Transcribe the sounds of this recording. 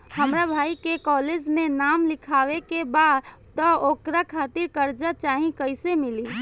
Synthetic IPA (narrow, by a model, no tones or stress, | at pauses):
həmɾabʱajkekɔled͡ʒmenamlikʰawekebad̪ | t̪ɔokɾakʰat̪iɾkəɾd͡ʒat͡ʃaɦĩkəjsemili